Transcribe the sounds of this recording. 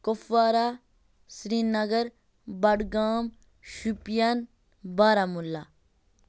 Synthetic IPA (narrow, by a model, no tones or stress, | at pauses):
kofaːɾa | sɾiːnːɐɡəɾ | bɐɖɡaːm | ʃupjan | baːɾaːmulːa